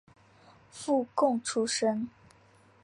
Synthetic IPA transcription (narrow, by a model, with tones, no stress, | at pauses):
fu˥˧kʊ˥˨ŋʈ͡ʂʰu˥ʂə˥ŋ